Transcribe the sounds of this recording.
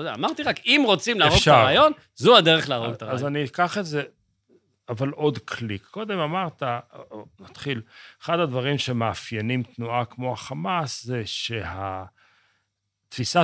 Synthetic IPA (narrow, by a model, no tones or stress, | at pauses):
odeaamaʁt̪iʁakimʁo̞t͡simlaaʁoɡʃaaʁajo̞n | zuad̪eʁeχlaːʁoɡt̪aʁaazanikaχeze̞ | avalʔo̞dkʰlikːo̞d̪e̞mamaʁt̪anat̪χileχad̪ad̪vaʁimʃe̞meafjenimt̪nuakmo̞aχamaszeʃe̞ha | t̪fisa